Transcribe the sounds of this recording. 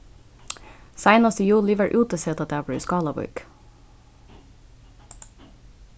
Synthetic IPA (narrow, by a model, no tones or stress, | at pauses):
sæɪnɑst̪əjuːlɪʋəɹʔʉːt̪əsɛːt̪ɑd̪æːbɽʉ̰ːskɑːlɑbɔ̰ʏk